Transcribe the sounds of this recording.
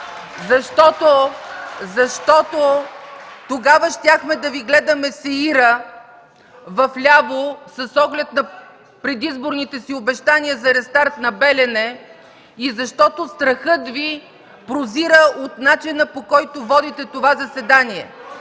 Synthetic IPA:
zɐʃt̪ɔt̪o | zɐʃt̪ɔt̪o | t̪oɡavəʃt̪ʲjaxmɛd̪ɐviɡlɛd̪ɐmɛsɛiɾə | vɐflʲabosɐsɔɡlɛt̪nɐ | pɾɛd̪izboɾnit̪ɛsiobɛʃt̪aniəzɐɾɛst̪aɾt̪nɐbɛlʲɛnɛ | izɐʃt̪ɔt̪ost̪ɾɐxɤt̪vi | pɾoziɾəot̪nat͡ʃinəpokɔjt̪ovɔd̪it̪ɛt̪ovazɐsɛd̪aniɛ

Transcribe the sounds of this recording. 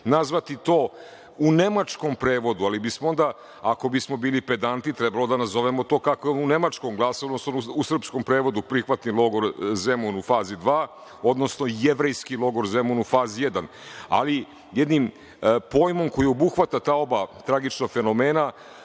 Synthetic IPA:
nazʋat̪it̪o̞ː | une̞mat͡ʃko̞mpɾe̞ːʋo̞d̪ualibismoo̞nd̪a | ako̞bismo̞biːlipe̞d̪ant̪it̪ɾebalo̞d̪anazo̞ʋemo̞t̪o̞ːkakoeune̞mat͡ʃkomɡlˠasood̪nosonuusr̩psko̞mpɾe̞ːʋo̞d̪upɾixʋat̪nilˠo̞ɡo̞ɾzemunufaːzid̪ʋaː | o̞d̪no̞sno̞jeʋɾejskilˠo̞ɡo̞ɾzemunufaːzije̞d̪an | a̰li | jed̪nim | po̞jmo̞mko̞jiobuxʋat̪at̪aːo̞bat̪ɾaɡit͡ʃnoɡfe̞no̞me̞ːna

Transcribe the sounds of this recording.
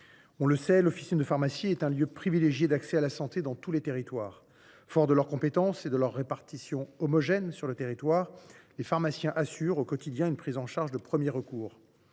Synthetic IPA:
ɔ̃ləsɛlɔfi̥sind̪əfaʁmasjiɛt̪ɛ̃ljøpχivileʒjed̪aksɛalasɑ̃t̪ed̪ɑ̃t̪ulet̪eʁit̪waːʁ | fɔʁd̪əlœʁkɔ̃pet̪ɑ̃sed̪əlœʁːepaʁt̪isjɔ̃ɔmɔʒɛnsyʁlət̪eʁit̪waːʁlefaʁmasjɛ̃ʔasyʁokɔt̪id̪jɛ̃ynpχizɑ̃ʃaʁʒd̪əpχəmjeʁəkuːʁ

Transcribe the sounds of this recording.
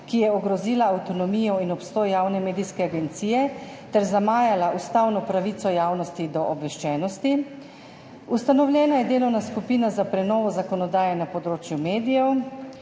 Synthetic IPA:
kijɛɔɡɾɔziːlaːwt̪ɔnɔmiːjɔinɔpst̪ɔːjjaːwnɛmeːd̪ijskɛaɡɛnt̪siːjɛ | t̪ɛɾzamaːjalaʔust̪awnɔpɾaʋit̪sɔjaːwnɔst̪id̪ɔʔɔbʋɛʃt͡ʃɛːnɔst̪i | ust̪anɔwlʲjɛːnajɛd̪eːlɔwnaskupiːnazapɾɛnɔːʋɔzakɔnɔd̪aːjɛnapɔd̪ɾoːt͡ʃjumeːd̪ijɛw

